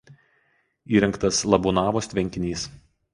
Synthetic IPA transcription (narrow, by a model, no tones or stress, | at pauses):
iːɾʲɛŋkt̪ɐslˠɐbʊnɑːʋoːst̪ʲʋʲɛŋʲkʲɪnʲiːs